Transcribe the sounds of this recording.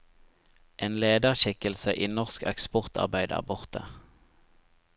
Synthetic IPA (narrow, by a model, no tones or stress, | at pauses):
ʔeːnleːd̪əʁʃɪkəlsəʔiːnɔʁskɛ̰kspɔʁt̪ʰɑ̰ʁbæɪd̪æ̰ːbʊʁt̪ə